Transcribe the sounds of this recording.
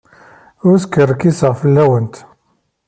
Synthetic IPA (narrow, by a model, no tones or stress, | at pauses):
ʊɾskərːəkisəʁfəlːæwənt̪